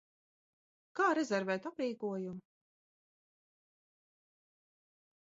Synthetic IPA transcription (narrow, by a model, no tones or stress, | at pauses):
kaːɾɛzɛɾvɛːt̪apɾiːkuɔjum